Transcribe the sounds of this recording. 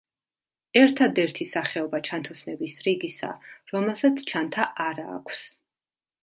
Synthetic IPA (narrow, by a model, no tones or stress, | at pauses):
ɛɾt̪ʰad̪ɛɾt̪ʰisaχɛɔbat͡ʃʰant̪ʰɔsnɛbisɾiɡisa̰ɾɔmɛlˠsat̪sʰt͡ʃʰant̪ʰaʔaɾa̰ːkʷʰs